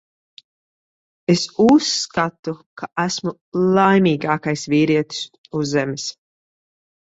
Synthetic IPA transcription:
esusːkat̪ukʰaʔæsmu | lˠajmʲiːɡaːkajsviːɾiɛt̪i̥s | uzzːɛmis

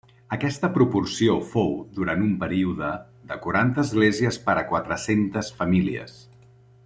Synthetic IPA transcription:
əkɛst̪əpɾupursiofowðuɾanumpəɾiuðə | ðəkuɾant̪əːzɣleziəspəɾəkwat̪ɾəsent̪əsfəmiliə̰s

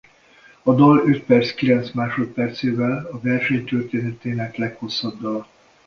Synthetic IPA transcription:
ɒd̪ɒløt̪̚pɛrt̪skilɛnt̪smaːʃo̞t̪̚pɛrt̪seːvɛlɒvɛrʃɛɲt̪ørt̪eːnɛt̪eːnɛklɛkho̞sːɒbd̪ɒl

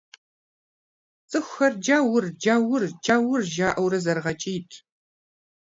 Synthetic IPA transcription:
t͡sʼɨxʷxɐrd͡ʒaːwʊrd͡ʒaːwʊrd͡ʒaːwʊrʒaːʔɐwɾɐzɐrʁɐt͡ʃʼiːtʰ

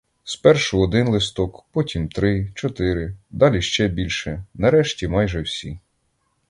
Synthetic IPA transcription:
spɛrʃʊɔd̪ɪnlˠɪst̪ɔkpɔtʲimt̪ɾɪt͡ʃɔt̪ɪɾɪd̪ɑlʲiʃt͡ʃɛbʲilʲʃɛnɐɾɛʃtʲimɑjʒɛwsʲi

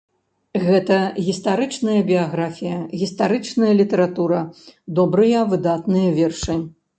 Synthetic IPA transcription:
ɣɛt̪ɐɣʲist̪aɾɨt͡ʂnɐjɐbʲijaɣɾafʲijɐɣʲist̪aɾɨt͡ʂnɐjɐlʲit̪ɐɾat̪uɾɐd̪ɔbɾɨjɐvɨd̪at̪nɨjɐvʲɛrʂɨ

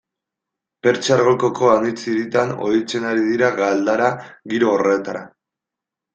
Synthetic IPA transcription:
pe̞ɾt͡ʃaɾɣoko̞ko̞anit͡siɾit̪ano̞̰it͡se̞naɾiðiɾaɣald̪aɾaɣiɾo̞ːre̞t̪aɾa̰

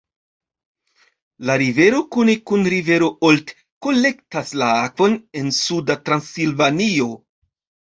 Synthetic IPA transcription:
laɾive̞ɾo̞kunekunɾive̞ɾo̞olt | ko̞le̞ktaslaakvo̞ne̞nsudatɾansilvanio̞

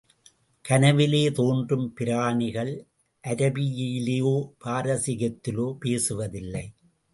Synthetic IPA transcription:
kɐnɐʋɪleːt̪oːndrɯmpɪɾaːɳɪɣɐɭ | ʔɐɾɐbɪjɪjɪleːjoːpaːɾɐsɪɣɐt̪ːɪloːpeːsɯʋɐðɪlːɐɪ

